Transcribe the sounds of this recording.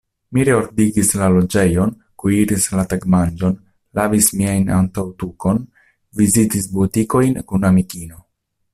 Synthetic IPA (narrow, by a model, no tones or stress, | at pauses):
miɾeoɾdiɡislalo̞d͡ʒe̞jo̞n | kuiɾislataɡmand͡ʒo̞n | lavismiajna̰ntawtuko̞n | vizitis̬butiko̞jnkunamikino̞